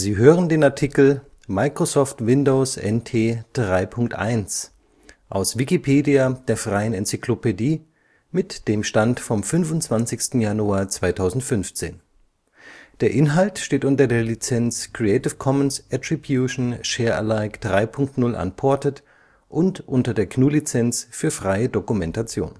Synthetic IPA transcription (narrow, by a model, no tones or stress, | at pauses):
ziːɦøːʁəndeːnaɐtʰikl̩ | maɪkʁ̥osɔːftvɪndoʊsɛ̰ntʰeːd̥ʁaɪpʰʊŋk̚tʔa̰ɪns | ʔaʊsv̥ikipʰeːdiad̥eːɐfʁ̥aɪənɛnt͡sikʰlopediː | mɪtd̥eːmʃtantfɔmfʏnvʊntt͡sv̥ant͡sɪçstn̩januaːɐt͡sv̥aɪtʰaʊzn̩tfʏnft͡sḛːn | d̥eːɐʔɪnɦaltʃteːtʔʊntɐdeːɐlit͡sɛnskʁ̥iɛɪtɪfkʰɔmənsʔɛtʁ̥ibjuʃn̩ʃeːɐə̰laɪkd̥ʁaɪpʰʊŋk̚tnʊlʔa̰npʰɔɐtət | ʔʊntʔʊntɐdeːɐkʰnuːlit͡sɛnsfyːɐfʁ̥aɪədokumɛntat͡sjo̰ːn